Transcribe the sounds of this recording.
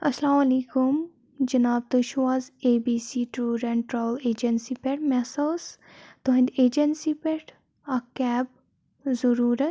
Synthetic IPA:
ɐslaːmɐliːkum | d͡ʒɐnaːb̚t̪uʃuaːzeːbiːsiːʈɾuːɾɐ̃ɳʈɾaʋleːd͡ʒɐnsipeʈmɛsɐːz | t̪oɦɐ̃nd̪eːd͡ʒɐnsipeʈ | akɛːb̚ | zɐɾuːɾɐ

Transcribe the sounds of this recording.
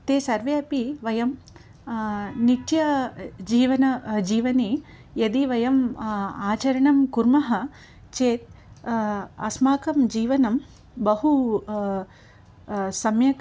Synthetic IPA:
t̪eːsɐɾʋeɐpiʋɐjɐm | niʈ̪jɐd͡ʒiːʋɐnɐd͡ʒiːʋɐni | jɐd̪iʋɐjɐmaːt͡ʃɐɾɐɳɐmkuɾmɐɦɐ̆ | t͡ʃeːt̪̚ | ɐ̰smaːkɐmd͡ʒiːʋɐnɐm | bɐhu | sɐmjɐk

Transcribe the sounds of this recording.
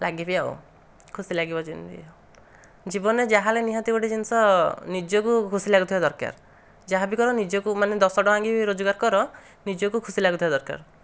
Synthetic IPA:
laɡibiao̰ | kʰusilaɡibɔd͡ʒint̪ḭao | d͡ʒibɔned͡ʒaɦaleniɦãt̪iɡuʈid͡ʒinsɔnid͡ʒɔkukʰusilaɡut̪ʰibad̪ɔɾka̰ɾ | d͡ʒaɦabikɔɾɔnid͡ʒɔkumaned̪ɔsɔʈɔaŋɡibiɾod͡ʒɔɡaɾkɔɾɔ | nid͡ʒɔkukʰusilaɡut̪ʰibad̪ɔɾka̰ɾ

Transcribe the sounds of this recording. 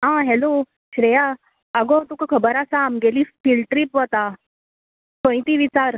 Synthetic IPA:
ɦãɦɛlo | ɕɾeja | əɡɔt̪ukəkʰəbəɾasaːmɡelifilʈɾipʋət̪a | kõĩt̪iʋit͡saɾ

